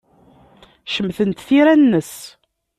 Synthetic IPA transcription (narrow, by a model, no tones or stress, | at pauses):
ʃəmːθənt̪θiɾænːəs